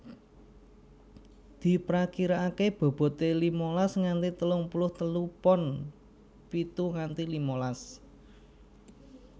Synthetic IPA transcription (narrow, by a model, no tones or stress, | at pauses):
d̪̥i̤pɾakiɾaːkeb̥ɔ̤b̥ɔ̤t̪elimolasŋant̪it̪əlʊŋpulʊht̪əlupɔn | pit̪uŋant̪ilimolas